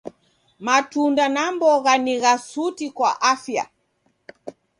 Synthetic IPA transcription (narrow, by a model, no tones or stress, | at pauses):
matundanambɔɣaniɣasutikwaʔafja̰